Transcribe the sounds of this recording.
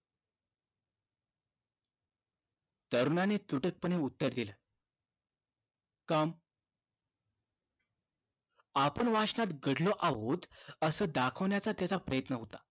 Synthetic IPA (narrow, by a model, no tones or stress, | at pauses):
t̪əɾunanet̪uʈək̚pəɽ̃eut̪ːəɾd̪ilə | kam | apəɳʋaʂnat̪ɡəɽlɔʔaʋot̪əsəːd̪akʰəʋɳjat͡sat̪jat͡sapɾəjət̪nəɦot̪a